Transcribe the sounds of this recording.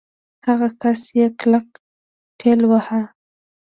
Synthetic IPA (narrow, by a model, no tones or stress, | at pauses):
haɣakasjeklak̚ | tʰelwaha